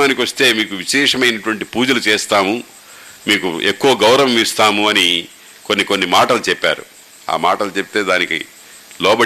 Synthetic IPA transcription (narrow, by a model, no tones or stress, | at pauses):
aːnikiʋɐst̪e̞ːmiːkuʋiʃɛːʂɐmɐjnɐʈuʋɐɳʈipuːd͡ʒɐlut͡ʃɛːst̪aːmu | miːkuʔe̞kːuʋɐɡɐwɾɐʋɐmist̪aːmuɐni | ko̞nːiko̞nːimaːʈɐlut͡ʃɛpːa̰ːɾṵ | a̰ːmaːʈɐlut͡ʃepi̥t̪e̞ːd̪aːnikḭ | lɔːbɐ